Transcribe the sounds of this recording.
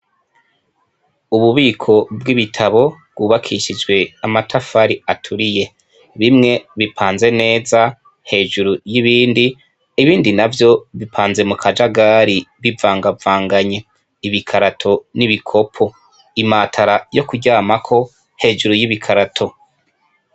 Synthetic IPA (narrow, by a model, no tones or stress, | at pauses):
uβuβiːkʰo̞bɡiβitʰaβo̞bɡuːβakʰiʃid͡ʒɡwe̞amatʰafaɾiatʰuɾije̞ | βimŋe̞βipʰaːnze̞ne̞ːza | he̞ːʒuɾujiβiːndiː | βiːndinavjo̞βipʰaːnze̞mukʰad͡ʒaɡaɾiβivaːŋɡavaːŋɡaɲe̞ | iβikʰaɾatʰo̞niβikʰo̞pʰo̞ | imaːtʰaɾajo̞kuɟaːmakʰo̞ | he̞ːʒuɾujiβikʰaɾatʰo̞